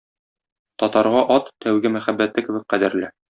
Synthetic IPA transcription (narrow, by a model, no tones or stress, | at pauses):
t̪ɒt̪ɑɾʁɑʔɒt̪ːæwɡɘmæχæbːæt̪ːɘkɘ̆bɘk̚qæd̪ɘ̆ɾlɘ